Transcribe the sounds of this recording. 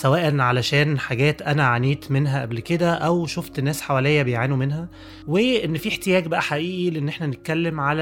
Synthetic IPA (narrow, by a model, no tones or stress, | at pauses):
sæwæːʔænʕalæʃæːnħaɡæːt̪ʔænæʕaniːt̪menɦæʔæ̰blked̪æʔæwʃoft̪enːæːsħawælejːæbejʕaːnumenɦæ | weʔenːfiːħt̪ejæːɡbæʔæħaʔiːʔileʔenːʔeħnænet̪̚kælːemʕalæ